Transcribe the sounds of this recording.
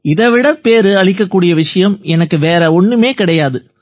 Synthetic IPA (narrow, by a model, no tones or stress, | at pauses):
ɪðɐʋɪɽɐpːeːɾɯɐɭɪk̬ːɐkːuːɽɪjɐʋɪʂɐjɐmɛnɐkːɯʋeːɾɐɔɳːɯmeːkɪɽɐjaːðɯ